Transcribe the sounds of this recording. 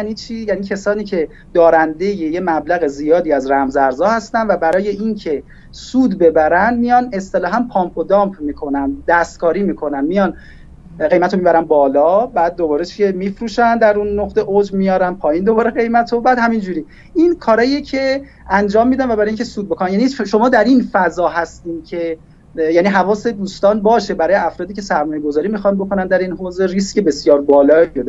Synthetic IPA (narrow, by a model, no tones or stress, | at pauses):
jænit͡ʃʰiːjæniːcʰesɒːniːcʰe̞ | d̪̥ɒːɾænd̪e̞jeje̞mæblæɣe̞zijɒːd̪iːæzɾæmzæɾzɒːhæst̪ænvæbæɾɒːje̞ʔincʰe̞ | suːd̪be̞bæɾænd̪mijɒne̞st̪e̞lɒːɦæmpʰɒːmpʰod̪ɒmpʰmiːkʰo̞nænd̪æst̪̚kʰɒːɾiːmiːkʰo̞nænmijɒn | ɢe̞jmæt̪ʰomibæɾænbɒːlɒːbæːd̪̚ːobɒːɾet͡ʃʰiemifɾuːʃænd̪æɾunːoχt̪eʔod͡ʒmijɒːɾænpʰɒːjind̪o̞bɒːɾe̞ɣe̞jmæt̪ʰo̞bæːd̪hæmind͡ʒuɾiː | ʔinkʰɒːɾɒːiecʰe̞ | ænd͡ʒɒːmːiːd̪ænvæbæɾɒːjiŋcʰesuːd̪̚bo̞konæmjæniʃo̞mɒːd̪æɾinfæzɒːɦæst̪iːmcʰe̞ | jæniɦævɒːse̞d̪uːst̪ɒːnbɒːʃe̞bæɾɒːjeæfɾɒːd̪icʰe̞sæɾmɒːje̞ɡozɒːɾiːmixɒnbo̞kʰo̞nænd̪æɾinɦoːze̞riscʰe̞be̞sjɒːɾbɒːlɒːod̪e